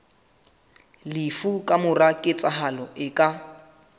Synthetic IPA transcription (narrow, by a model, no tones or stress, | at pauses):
lifukʼamʊrakʼɪt͡sʼaɦalɔʔɪkʼa